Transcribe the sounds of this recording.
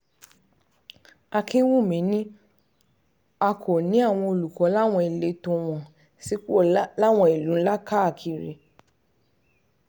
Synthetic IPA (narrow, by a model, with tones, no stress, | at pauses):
a˧kĩ˦wu˦˨mĩ˨˦nĩ˦ | a˧kʰo˨nĩ˦a˦˨w̃ɔ̃˧o˧˨lu˨kɔ˨˦la˦w̃ɔ̃˧i˨le˨˦tõ˧w̃ɔ̃˨ | si˨˦ko˦˨la˦w̃ɔ̃˧i˨lũ˨˦la˦ka˦˨kʰi˨ɾḛ˨˦